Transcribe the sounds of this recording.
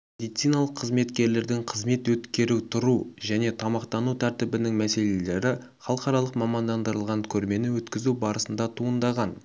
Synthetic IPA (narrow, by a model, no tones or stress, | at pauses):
me̞d̪ijt̪sijnɑlˠəqʰːəzme̞t̪kʲe̞ɾle̞ɾd̪ɪŋqʰəzme̞t̪wɵt̪kʲe̞ɾut̪ʰʊɾuʒæne̞t̪ʰɑmɑqt̪ɑnut̪ʰæɾt̪ɪbɪnɪŋmæse̞le̞le̞ɾɪ | χɑlˠəqɑɾɑlˠəqmɑmɑnd̪ɑnd̪əɾəlˠʁɑŋkʲʰɵɾme̞nɪwɵt̪kʲɪzubɑɾəsənd̪ɑt̪ʰuənd̪ɑʁɑn